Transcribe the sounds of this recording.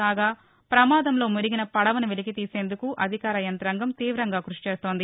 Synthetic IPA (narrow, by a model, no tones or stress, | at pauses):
aːɡaː | pɾɐmaːd̪ɐmlo̞ːmuɾiɡinɐpɐɽɐʋɐniʋelikit̪iːse̞ːnd̪ukuʔɐd̪ʱikaːɾɐjɐnt̪ɐɾɐŋɡɐmt̪iːʋɾɐŋɡaːkɾuʂi̥t͡ʃe̞ːst̪o̞ːnd̪i